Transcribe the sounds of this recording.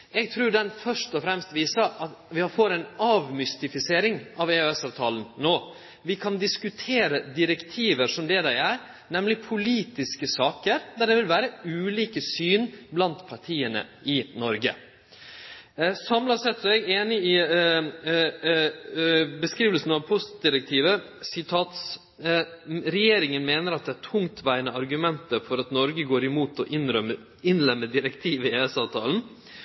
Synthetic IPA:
ɛɡ̚t̪ʰɾʉːɖ̪ɛnfœʂʈɔfɾɛmst̪ʋiːsəɾʔɑt̪ʋɪhɑɾfoɾæɪnɑʋmʏst̪ɪfɪseːɾɪŋɑʋeøɛsɑʋt̪ʰɑːlənnoː | ʋɪkʰɑnd̪ɪskʉt̪ʰeːɾəd̪ɪɾɛkt̪ʰiːʋəɾʂɔmd̪ɛd̪æɪæɾ | nɛmlɪpʰʊliːt̪ɪskəsɑːkəɾd̪æɖ̪ɛʋɪlʋæːɾəʉːliːkəsyːnblɑnt̪pʰɑʈʰiːənə̰ɪnɔɾɡə̰ | sɑmlɑsɛt̪sɔɛɡeːnɪɪ | bəskɾiːʋəlsn̩ɑʋpʰɔst̪d̪ɪɾɛk̚t̪ʰiːʋə | sɪt̪ʰɑːt̪s | ɾɛjeːɾɪŋənmeːnəɾɑt̪̚d̪ɛæʈʰʊŋt̪ʰʋæɪənəɑɾɡʉmɛnt̪əfɔɾɑt̪nɔɾɡəɡoːɾɪmuːt̪ɔʔɪ | ɪnlɛmːəd̪ɪɾɛkt̪ʰiːʋɪeːɛsɑːʋt̪ʰɑːln̩

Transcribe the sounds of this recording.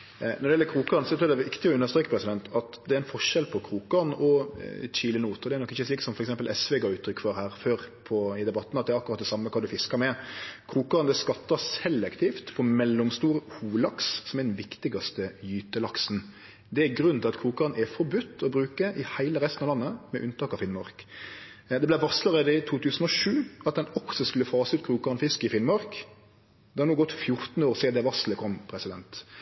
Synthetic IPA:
nɔd̪ɛɪɛlːəkʰɾuːkɑɾnsɔt̪ɾʉːɾd̪ɛʋɪkt̪ɪɔʉnːəɾst̪ɾeːkəpʰɾɛsɪd̪ɛnt̪ɑt̪d̪ɛæɾɛnfɔʂɛlpʰɔkʰɾuːkːɑnʔɔc͡çiːlənuːt̪ɔd̪ɛæɾnɔkːɪçːəsliːksɔmfɔɾɛksɛmpəlʔɛsʋɛɡɑːʉːt̪ʰːɾʏkːfʋɑːɾhæːɾføːɾpʰɔɪd̪ɛbɑt̪ːn̩ɑt̪̚d̪ɛæɾɑkːɾɑt̪̚d̪ɛsɑmːəkʰɑːd̪ʉfɪskɑɾmɛkʰɾuːkɑɾnd̪ɛskɑt̪ːɑsɛlːɛkt̪ʰiːft̪fʰɔmɛlːɔmst̪uːɾhuːlɑkssɔmɛd̪n̩ʋɪkt̪ɪɡɑst̪əjyːt̪əlɑksn | d̪ɛæɡɾʉnt̪ʰɪlɑt̪kʰɾuːkɑʁənɛfɔɾbʉt̪ːɔbɾʉːkəʔɪhæɪləɾɛst̪n̩ɑlɑnːəmɛ̰ʔʉnt̪ʰɑːkɑʋfɪnmɑɾk | d̪ɛblæɪʋɑsləʁeːd̪əɪt̪ʰuːt̪ʰʉːsən̩ɔʂʉːɑt̪̚d̪ɛnɔksɔskʉlːəfɑːsəʉːt̪kʰɾuːkɑʁnfɪskɪfɪnmɑɾk | d̪ɛhɑnuːɡɔt̪ːfjʊɾt̪n̩əoːʁsɛːd̪ɛʋɑsləkʰɔmːpʰɾɛsɪd̪ɛnt̪

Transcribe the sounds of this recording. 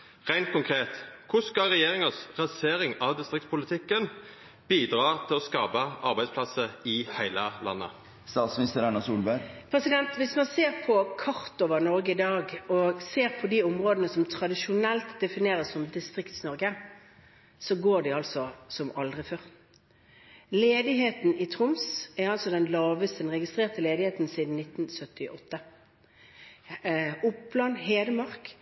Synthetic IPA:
ʁæɪnt̪̚kʊŋkʰʁeːt̪kʰʊskɑʁɛjeːɾɪŋəsʁɑseːɾɪŋɑʋd̪ɪst̪ʁɪk̚tspʊlɪt̪ʰɪkːən | b̥iːd̪ʁɑːt̪ʰɪlɔskɑːpəʔɑɾbæɪspʰlɑsəɪhæɪləlɑ̰nːə̰ | st̪ɑːt̪smɪnɪst̪əɾæɳəsuːlbæɾpʰʁɛsɪd̪ɛnt̪ʋɪsmɑnseːʁpʰɔkʰɑʁt̪oːʋənɔɾɡəɪd̪ɑːɡɔseːʁpʰɔd̪iːʊmʁoːd̪ənəsɔmt̪ʰʁɑd̪ɪʂʊnɛlt̪d̪ɛfɪneːɾəsɔmd̪ɪst̪ʁɪkt̪snɔʁɡə | sɔɡoːɖɪɑlsɔsɔmɑld̪ʁɪføːʁ | leːd̪ɪɦeːt̪nɪt̪ʰʁʊmsɛɾɑlsɔd̪ɛnlɑːʋəst̪əd̪ɛnʁɛɡɪst̪ʁeːʁt̪əleːd̪ɪheːt̪n̩siːd̪n̩nɪt̪ːnsœt̪ːɪʔɔt̪ːə | ʊpblɑːnɦeːd̪əmɑʁk

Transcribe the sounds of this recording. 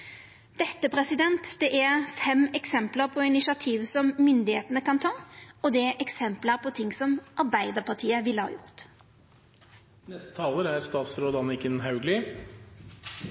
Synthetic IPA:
d̪̥ɛt̪ːəpʰʁɛsɪd̪ɛnt̪d̪̥ɛʔæʁfɛmɛksɛmpləʁpʰɔɪnɪʃɑt̪ʰiːʋsɔmːʏnd̪ɪheːt̪ənəkɑnt̪ʰɑːɔd̪ɛʔɛksɛmpləʁpʰɔt̪ʰɪŋsɔmʔɑʁbæɪd̪əʁpʰɑt̪ʰiːəʋɪlːəhɑ̰ːjʊʁt̪ | nɛst̪ə̥t̪ʰɑːləɾæɾst̪ɑːt̪sɾoːd̪ɑnɪkənɦɑʉɡlɪ

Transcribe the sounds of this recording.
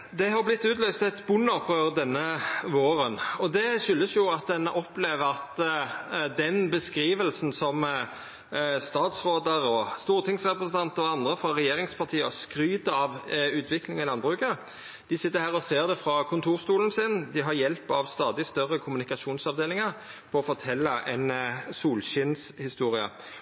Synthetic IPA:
d̪ɛɦɑʁblɪt̪ːʉːt̪lœʏst̪ɛt̪bʊnːɔpʰøːʁəd̪ɛnːəʋoːɾənɔd̪ɛʂʏlːəsjʊɑt̪̚d̪ɛnʔɔpːleːʋəʁɑt̪ | d̪ɛnbəskɾiːʋəlsn̩sɔm | st̪ɑːt̪sʁoːd̪əɾɔst̪uːʁt̪ʰɪŋsʁɛpɾəsən̩t̪ɑnt̪əɾɔɑnd̪ʁəfɾɑʁɛjeːʁɪŋspʰɑʁt̪ʰiːəɔskɾyːt̪əɑʋʉːt̪ʰʋɪklɪŋɪlɑnbʁʉːkə | d̪̥ɪsɪt̪ːəɾhæːʁɔseːʁd̪ɛfɾɑkʰʊnt̪ʰuːʁst̪uːlən̩sɪnd̪ɪɦɑɾjɛlpɑʋst̪ɑːd̪ɪst̪œʁːəkʰʊmʉnɪkɑʂuːnsɑʋd̪eːlɪŋəʁ | pʰɔɔfɔʁt̪ʰɛlːɑʔɛnsuːlɕɪnshɪst̪uːɾɪə̰

